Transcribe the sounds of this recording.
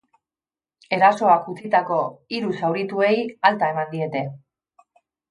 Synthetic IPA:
e̞ɾaso̞akut͡sit̪ako̞iɾusawɾit̪ue̞jalt̪ae̞mand̪ie̞t̪e̞

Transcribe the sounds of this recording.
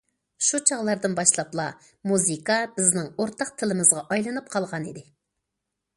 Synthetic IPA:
ʃut͡ʃʰɑʁlˠɑɾd̪ɨnbɑʃlˠɑplˠɑ | muzɨkɑbɪznɪŋoɾt̪ɑq̚t̪ʰɪlɪmɨzʁɑʔɑjlˠɨnɨp̚qʰɑlˠʁɑnḭd̪ɪ

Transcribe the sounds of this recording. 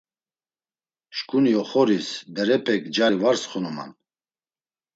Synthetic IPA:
ʃkʼuniɔχɔɾisbɛɾɛpʰɛkʰd͡ʒaɾivaɾsχɔnɔma̰n

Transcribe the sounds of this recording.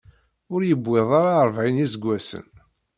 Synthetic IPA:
ʊɾjəbʷːɪðˤaɾaɾˤvʕinizəɡʷːæsə̰n

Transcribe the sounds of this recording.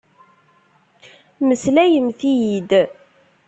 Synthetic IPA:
məslæjəmθijid̪

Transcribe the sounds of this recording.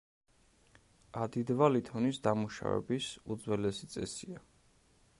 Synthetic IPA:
ad̪id̪valit̪ʰɔnisd̪amuʃa̰vɛ̰bisud̪zwɛlɛsit̪sʼɛsia

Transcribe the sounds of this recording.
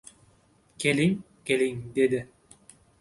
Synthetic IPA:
kʲeliŋ | kʲeliŋd̪ed̪ɪ

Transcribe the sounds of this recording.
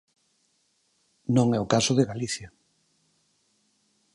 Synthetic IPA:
nõŋɛokasʊðeɣaliθja

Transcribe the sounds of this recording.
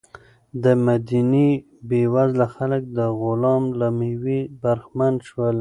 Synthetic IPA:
d̪əmad̪ini | bewazlaxalək̚d̪əɣʊlɑmlamiwibaɾxmanʃwəl

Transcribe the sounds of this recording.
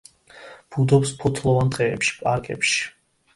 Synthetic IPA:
b̥ud̪ɔpspʰɔt̪ʰlˠɔvant̪ʼɛːpʃi̥pʼaɾkʼɛ̰pʃi̥

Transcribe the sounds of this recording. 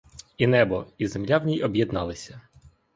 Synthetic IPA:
inɛbɔizemlʲawnʲijɔbʲjɛd̪nɑlˠɪsʲɐ

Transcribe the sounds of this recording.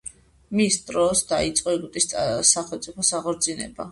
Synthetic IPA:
misd̪ʼɾɔsd̪ait̪sʼqʼɔiɡut̪ʼissaχɛlt̪sʼipʰɔsaʁɔɾd̪zinɛ̰ba̰

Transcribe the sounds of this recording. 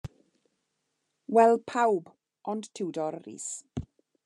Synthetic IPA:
wɛlˠpʰawb | ʔɔndtʰɪwdɔɾḭːs

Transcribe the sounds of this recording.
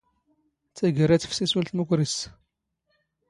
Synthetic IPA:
t͡sːæɡəɾæt͡sːfsisult̪mukʷɾis

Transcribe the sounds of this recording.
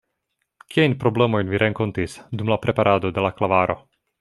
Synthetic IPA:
kiajnpɾo̞ble̞mo̞jnviɾʔeŋko̞ntisdumlapɾʔe̞paɾʔado̞de̞laklavaɾʔo̞̰

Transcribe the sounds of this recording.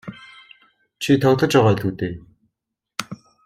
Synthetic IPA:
t͡ɕʰit̪ʰɔt̪ə̆t͡ɕaʁaːɮt̪uːt̪eː

